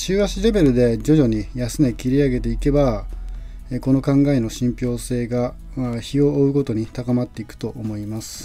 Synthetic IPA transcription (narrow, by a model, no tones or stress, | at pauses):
ɕɨːɡaɕiɾe̞be̞ɾɯ̟d̪e̞d͡ʑo̞ʑo̞ɲ̟ijasɨne̞kʲiɾʲiaɡe̞t̪e̞ike̞ba | eko̞no̞kãŋɡae̞no̞ɕĩmpʲo̞ːse̞ːɡa | çio̞ːɯ̟ko̞t̪o̞ɲ̟it̪akamat̪ːe̞ikɯ̟̥t̪o̞ʔomo̞imasɨ̥